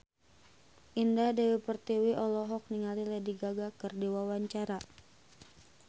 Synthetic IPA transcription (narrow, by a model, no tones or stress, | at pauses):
ʔindadɛwipərt̪iwiʔɔlɔɦɔk̚niŋalilɛdiɡaɡakɨrdiwawaɲt͡ʃaɾa